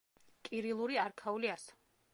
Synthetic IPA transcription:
kʼiɾilˠuɾiaɾkʰauliasḁ

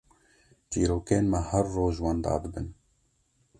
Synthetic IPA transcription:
t͡ʃiːɾoːkeːnmɛhɐrːoːʒwɑnd̪ɑ̰ːb̪ɨbɨn

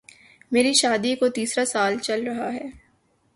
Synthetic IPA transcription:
meːɾiʃaːd̪ikot̪iːsɾasaːlt͡ʃɐlɾɐɦaɦɛː

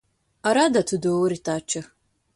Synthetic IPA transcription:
aɾadatʰudowɾitʰaːt͡ʃʰɨ

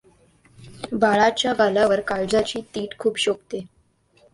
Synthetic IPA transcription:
bʱaɭat͡ɕjaɡalaʋəɾkaɭd͡zat͡ɕiːt̪iːʈkʰuːpɕokt̪e

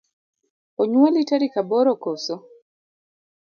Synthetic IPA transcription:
oɲwalitaɾikabɔɾɔkoso

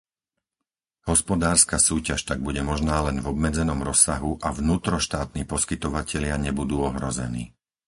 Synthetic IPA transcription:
hɔspɔd̪aːɾskasuːcaʃt̪aɡ̚buɟɛmɔʒnaːlɛnvɔbmɛd͡zɛnɔmɾɔsːaɦuʔavnuːt̪ɾɔʃt̪aːt̪niːpɔskit̪ɔʋacɛʎɪaɲɛbud̪uːɔɦɾɔzɛ̰nḭː

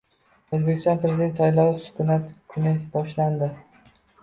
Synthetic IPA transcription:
ɵzbekʲɪst̪ɒnpɾezɪd̪e̞nt̪sajlˠɒwsʊ̥kʰʊnat̪kʰʊnɪbɒʃland̪ɪ

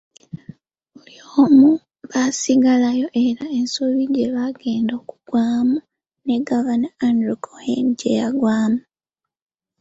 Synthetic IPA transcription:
βulioːmu | βasiɡalajo̞ʔe̞ɾae̞nsoβiɟe̞βaɡe̞ːndoku̥ɡ̥waːmu | ne̞ɡavanaːndɾikʰohḛnɟḛjaɡwaːmu

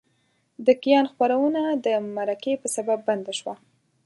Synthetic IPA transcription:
d̪əkijɑnxpaɾawənad̪əmaɾakepəsababːand̪aʃwa

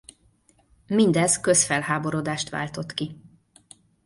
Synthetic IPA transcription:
mind̪ɛzkø̞sfɛlɦaːbo̞ɾo̞d̪aːʃt̪ʋa̰ːlt̪o̞t̪ki

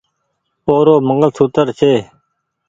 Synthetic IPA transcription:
oːɾoːməŋəlt͡sʰuːt̪əɾt͡ɕʰeː

